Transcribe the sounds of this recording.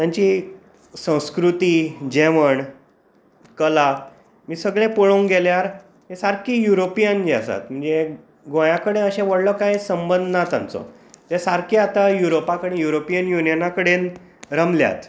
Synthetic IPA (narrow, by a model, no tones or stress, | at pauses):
t̪jaɲt͡ɕi | sə̃w̃skɾut̪iːd͡ʑeʋəɳ | kəla | miːsəɡɭẽpoɭõŋɡɛljaɾ | ɦesaɾkiːjuɾopijənd͡ʑa̰sa̰t̪m̤əɳd͡ze | ɡõjãkəɽẽəɕẽʋəɽlɔkajsəmbənd̪ʱnat̪a̰nt͡sɔ̰ | t̪esaɾkiat̪ajuɾopakəɽẽjuɾopijənjunijənakəɽen | ɾəmlja̰t̪